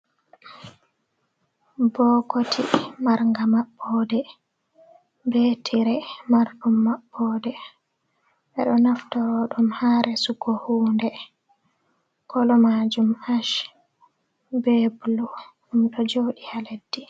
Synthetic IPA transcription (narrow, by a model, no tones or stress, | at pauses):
bɔkotʰimaɾŋɡamaɓːɔdɛ | bɛtʰiɾɛmaɾɗumːaɓːɔdɛ | ʔɛɗɔnaftawɔɗumhaɾɛsuɡɔhuːndɛ | kɔlɔmad͡ʒumaʃ | bebuluɗumɗɔd͡ʒowɗihaledːi